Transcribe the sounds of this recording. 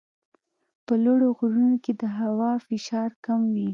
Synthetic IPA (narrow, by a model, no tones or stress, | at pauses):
pəloɽoɣuɾunoked̪əɦawɑfɪʃɑɾkamwi